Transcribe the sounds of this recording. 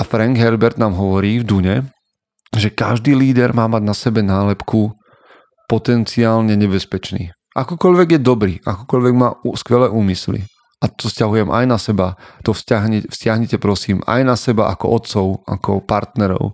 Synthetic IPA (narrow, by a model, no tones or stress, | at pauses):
afɾaŋɡɦɛɾbɛɾd̪naːmɦɔʋɔɾiːvd̪uɲɛ | ʒɛka̰ʒd̪iːliːd̪ɛɾmaːmaɟnasɛbɛnaːlɛpku | pɔt̪ɛnt͡siaːlɲɛɲɛbɛspɛt͡ʃnḭː | ʔakɔkɔʎʋɛɡjɛd̪ɔbɾiːʔa̰kɔkɔʎʋɛɡmaːuskʋɛlɛːʔuːmislḭ | at̪ɔfscaɦujɛmʔa̰jnasɛbat̪ɔfscaɦɲɛfscɪaɦɲɛcɛpɾɔsiːma̰jnasɛbaʔakɔ̰ʔɔt̪t͡sɔʊakɔ̰paɾt̪nɛɾɔ̰ʊ